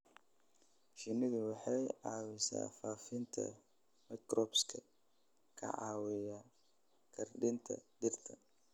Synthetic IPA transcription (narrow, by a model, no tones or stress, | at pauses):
ʃɪnɪðʊwɑħɑjʕɑːwɪsa̰ːfaːfɪnt̪ʰɐ̰ | mɛkrɔːbskʰɐ | kʰɐ̰ʕɑːwɪja | kʰɐrɖɪnt̪ʰɐ̰dɪrt̪ʰɐ